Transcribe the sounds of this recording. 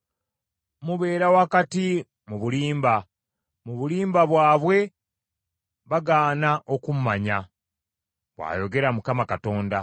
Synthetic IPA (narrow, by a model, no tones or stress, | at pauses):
muβe̞ːɾawakati | muβuliːmba | muβuliːmbaβwaːβwe̞ | βaɡaːnaʔo̞kum̩maɲa | βwa̰ːjo̞ɡe̞ɾamukamakato̞ːnda